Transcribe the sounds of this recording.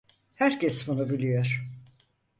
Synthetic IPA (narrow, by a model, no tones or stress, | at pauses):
hæɾcʰɛsbunubilʲijoɾ̥